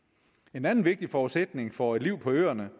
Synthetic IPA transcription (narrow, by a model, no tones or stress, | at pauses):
e̝nænn̩ʋe̝ɡ̥̚d̥ifɒːudsed̥ne̝ŋfɒ̽e̝d̥liʊ̰pʰɒ̽ø̰ːɐnə